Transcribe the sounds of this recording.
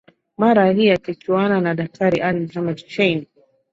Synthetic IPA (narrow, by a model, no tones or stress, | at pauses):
maɾaɦiakit͡ʃuananaɗak̚tʰaɾiʔalimhamɛdt͡ʃɛn